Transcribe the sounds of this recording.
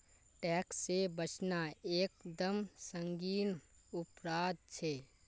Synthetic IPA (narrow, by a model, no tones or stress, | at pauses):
ʈɛːksːebət͡ʃʰnaeːkd̪əmsə̃ŋɡiːnʊpɾaːd̪̚t͡ʃʰeː